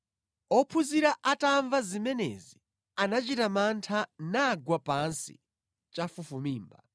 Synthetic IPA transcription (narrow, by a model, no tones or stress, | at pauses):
ɔpʰuziɾaʔataɱvazimɛnɛ̰zi | anat͡ʃitamantʰanaɡwapansḭ | t͡ʃafufumiːmba